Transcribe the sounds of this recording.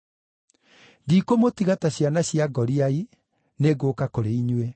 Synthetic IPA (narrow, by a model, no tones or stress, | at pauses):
dikomotiɣataɕjanaɕjaɡɔɾiai | neɡoːkakoɾeiɲwe